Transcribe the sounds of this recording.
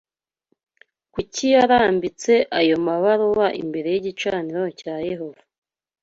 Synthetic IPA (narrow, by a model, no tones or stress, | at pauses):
kucijaɾaːmbit͡se̞ʔajo̞maβaɾoβaʔḭmbe̞ɾe̞jiɟit͡ʃaniɾo̞caːje̞ɦo̞va